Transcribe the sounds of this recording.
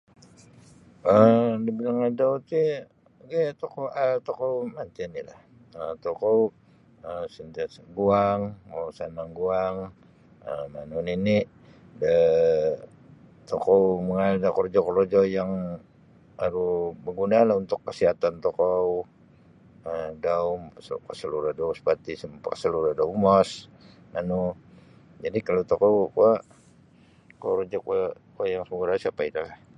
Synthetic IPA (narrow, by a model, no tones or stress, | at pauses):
ədibilaŋadaut̪i | ɡat̪okoat̪okowmant̪inilah | ət̪okow | əsənt̪ɡuaŋowsanaŋɡuaŋ | əmanunini | də | t̪okowməŋaldakɔrd͡ʒɔkɔɾd͡ʒɔjaŋ | aɾubəɡunalahunt̪ʊkːəsiɦat̪ant̪okɔw | ədaumskasəluɾadauspat̪isəmpakə̥səluɾadaumɔs | manu | d͡ʒadikalot̪okowkua | koɾd͡ʒɔkuakuajaŋsəɡuɾausiapait̪alah